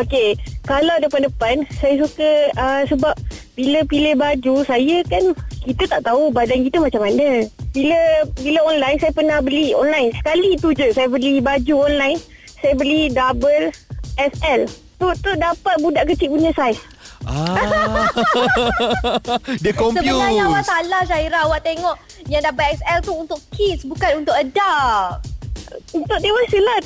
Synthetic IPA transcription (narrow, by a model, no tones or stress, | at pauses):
okekalawdəpandəpansajas̬ukəəsəbap̚ | biləpilehbad͡ʒusajəkankit̪ət̪aʔt̪aubadankit̪əmat͡ʃamanəbiləbiləɔnlajnsajapənahbəliɔ̰nlajnsə̥kalit̪ud͡ʒəsajabəlibad͡ʒuɔnlajn | sajabəlidabəlɛsɛl | t̪ut̪udapat̪̚budaʔkət͡ʃiʔ̚buniasajs | a | diəkɔmsəjuaɲawaʔt̪alaʃaiɾawaʔt̪eŋɔʔ | jaŋdabəlɛsɛlt̪uunt̪ʊʔkʰisbukanunt̪ʊʔəda | unt̪ʊʔ̚t̪ewasəlat̪̚